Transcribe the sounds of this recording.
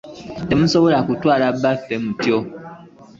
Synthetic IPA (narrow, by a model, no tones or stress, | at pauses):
temũsoboɾakutwaːɾabafemũtio